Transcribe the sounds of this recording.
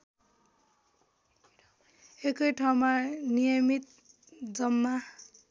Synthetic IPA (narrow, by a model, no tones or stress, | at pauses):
ekʌjʈʰaw̃manijʌmit̪̚ | d͡zʌmːa